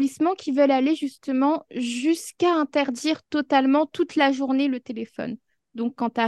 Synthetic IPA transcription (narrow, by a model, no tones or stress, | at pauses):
lismɑ̃kʲivœlaleʒyst̪əmɑ̃ʒyskaɛ̃t̪ɛʁd̪iʁt̪ɔt̪almɑ̃t̪ut̪laʒuʁnelət̪elefɔ̰n | d̪ɔ̃kːɑ̃t̪a